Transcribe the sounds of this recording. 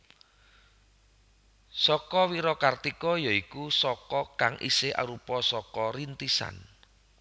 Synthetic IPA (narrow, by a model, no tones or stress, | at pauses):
sɔkɔwiɾɔkart̪ikɔjɔikusɔkɔkaŋʔḭsɪʔa̰ɾupɔsɔkɔɾint̪isa̰n